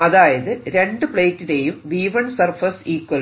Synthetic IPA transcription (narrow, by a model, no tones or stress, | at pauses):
ɐðaːjɐðɨɾe̞ɳɖɨpɭeːtːine̞jumʋiːʋɐɳsɐrfɐsiːkːwɐl